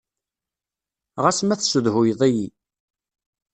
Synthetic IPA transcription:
ʁasmæθsʊðhʊjðˤæji

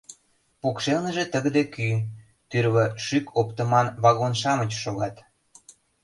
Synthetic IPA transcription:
pukʃelnə̆ʒet̪əɣd̪eky | t̪yɾβəʃykʰopt̪ə̆mɑnβɑɣonʃɑmət͡ɕʃoɣɑt̪

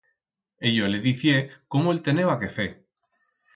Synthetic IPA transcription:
eʎoleðiθjekomoelt̪e̞newake̞fe

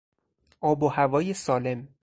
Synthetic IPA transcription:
ʔɒːbohævɒːje̞sɒːle̞m

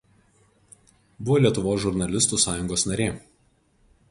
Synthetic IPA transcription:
bʊʋoːlʲiɛt̪ʊʋoːsʒʊɾnɐlʲɪst̪uːsɑːjʊŋɡoːsnɐɾʲeː

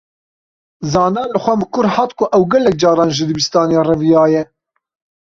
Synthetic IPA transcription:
zɑːnɑːlɨxʷɛmɨkʊɾhɑːt̪kʊʔɛwɡɛlɛk̚d͡ʒɑːɾɑːnʒɨd̪ɨbist̪ɑːneːrɛvijɑːjɛ

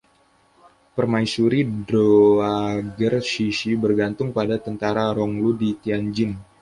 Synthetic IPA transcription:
pərmaisuɾidɾoaɡərsisibərɡant̪ʊŋpadat̪ənt̪aɾaɾɔŋludit̪iand͡ʒɪn

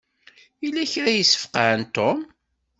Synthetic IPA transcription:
ilːæçɾæjəsːə̥fqaʕənt̪om

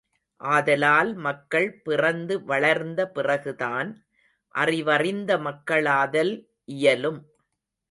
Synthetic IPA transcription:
ʔaːðɐlaːlmɐkːɐɭpɪrɐnd̪ɯʋɐɭɐɾnd̪ɐpɪrɐɣɯðaːn | ʔɐ̰rɪʋɐrɪnd̪ɐmɐkːɐɭaːðɐl | ʔɪjɐlɯm

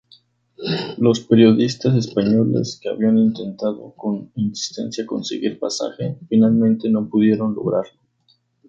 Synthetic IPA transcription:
lo̞speɾjo̞ðist̪as̬e̞spaɲo̞lḛskea̰βianint̪e̞nt̪aðo̞̰ko̞ninsi̥st̪e̞̰nsjako̞̰nsḛɣiɾlpasa̰xe̞finalmẽnt̪e̞no̞puðje̞ɾo̞nlo̞̰ɣɾaɾlo

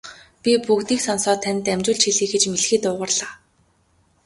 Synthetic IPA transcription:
pʲipukt̪iːksɔnsɔːt̪ʰːæn̆ʲt̪æmʲt͡ɕʊːɮt͡ɕʰxiɮiːxet͡ɕmeɮxiːt̪ʊːʁə̆rɮaː

